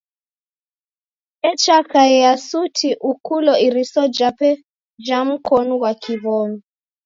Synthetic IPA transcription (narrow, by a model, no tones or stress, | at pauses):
ɛt͡ʃakaɛjasutʰiʔukʰulɔiɾisɔd͡ʒapɛ | d͡ʒam̩kʰɔnuɣwakʰiβɔːnɔ